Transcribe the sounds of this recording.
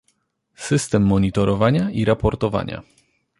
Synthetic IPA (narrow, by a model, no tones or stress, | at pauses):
sɘst̪ɛmːɔɲit̪ɔɾɔvaɲaiɾapɔɾt̪ɔva̰ɲa̰